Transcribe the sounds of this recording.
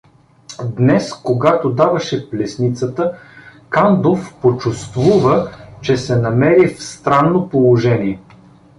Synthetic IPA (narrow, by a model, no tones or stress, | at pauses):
d̪nɛskoɡat̪od̪avɐʃɛplɛsnit̪sət̪əkand̪ofpot͡ʃust̪vuvət͡ʃɛsɛnɐmɛɾifst̪ɾanːopolˠoʒɛniɛ